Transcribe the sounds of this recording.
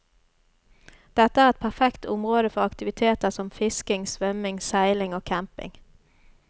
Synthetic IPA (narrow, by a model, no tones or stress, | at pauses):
d̪̥ɛt̪əæːʁɛt̪̚pʰæʁfɛkt̪ʊmʁoːd̪əfɔʁɑkt̪ɪʋɪt̪ʰeːt̪əʁsɔmfɪskɪŋsʋœmɪŋsæɪlɪŋoːkʰæmpɪ̰ŋ